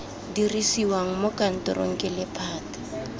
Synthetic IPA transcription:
dirisiwaŋ̩mokʼan̩tʼɔ̰ɾʔo̰ŋ̩kʼɛlɪpʰaːtḁ

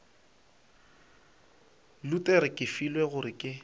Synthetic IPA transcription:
lutʼeɾɪkʼɪfilweɣʊɾɪkʼɪ

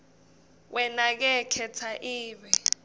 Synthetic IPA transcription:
wʔɛnak̬ɛkʰɛt͡sʰaʔiːɓɛ

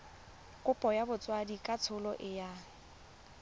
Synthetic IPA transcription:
kʼʊpʼɔjabʊt͡sʼwadikʼat͡sʰʊlɔʔɪja

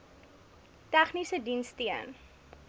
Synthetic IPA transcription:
tæχnisədinstiən

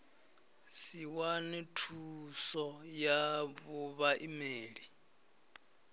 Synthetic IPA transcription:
siwanɛtʰusɔjaβuβaʔimeːɺi

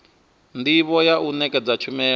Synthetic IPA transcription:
ndiβɔjaʔunɛkʼɛd͡zat͡ʃʰumɛː

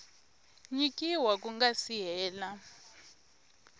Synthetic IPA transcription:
ɲikʼiwak̬ʼuŋɡasijɛːla

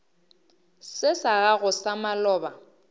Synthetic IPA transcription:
sɪsaɣaɣʊsamalɔːba

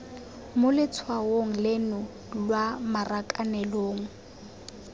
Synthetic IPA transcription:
mʊlɪt͡sʰwaoŋ̩lɪnʊ | lwamarakʼanɛloːŋ̩

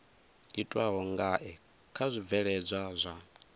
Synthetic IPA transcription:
itʼwaɦɔŋɡaʔɛ | kʰazʷib̪vɛɺɛd͡zʷazʷa

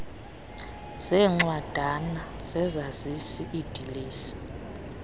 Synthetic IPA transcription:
sɛːŋ͡ǃwad̥ʱana | z̥ɛzazisiʔid̥ʱiliːsi̥

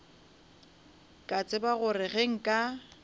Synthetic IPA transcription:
kʼat͡sʼɪbaɣʊrɪɣeŋ̩kʼa

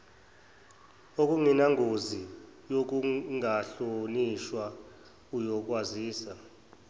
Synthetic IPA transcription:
ok̬ʼuŋinaŋʱozi | jok̬uŋaɬoniʃwa | ujɔk̬ʼwaziːsa

